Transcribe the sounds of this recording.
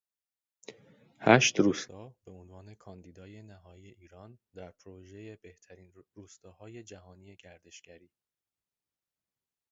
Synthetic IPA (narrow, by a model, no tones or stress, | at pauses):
hæʃt̪ɾuːst̪ɒːb̥e̞onvɒːne̞kʰɒnd̪iːd̪ɒːje̞næɦɒːjiːe̞ʔiːɾɒnd̪æɾpʰɾoʒe̞jebeht̪ʰæɾiːnɾuːst̪ɒːhɒːje̞d͡ʒæhɒːniːje̞ɟæɾd̪e̞ʃɡ̥æɾiː